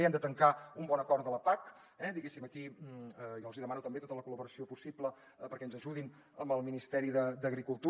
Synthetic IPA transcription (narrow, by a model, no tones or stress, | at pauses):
eɛmd̪ət̪əŋkaumbɔnəkɔɾt̪ələpak | ɛd̪iɣesiməki | jɔlˠziðəmanut̪əmbet̪ot̪ələkuləβuɾəsiopusiplə | pəɾkɛənzəʒuðin | əmbəlˠminist̪ɛɾiðəd̪əɣɾikulˠt̪u